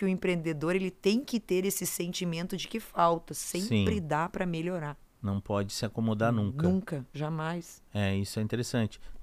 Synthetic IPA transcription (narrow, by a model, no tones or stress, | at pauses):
ɪʊẽpɾẽnd̪ed̪oɾelɪt̪ẽj̃kɪt̪eɾesɪsẽnt͡ʃimẽnt̪ʊd͡ʒɪkɪfawt̪ɐsẽsĩpɾɪd̪apɾɐmeʎoɾa | nɐ̃w̃pɔd͡ʒɪsɪakomod̪aɾnũnũŋkɐʒamajs | ɛisʊɛĩt̪eɾesɐ̃nt͡ʃɪ̥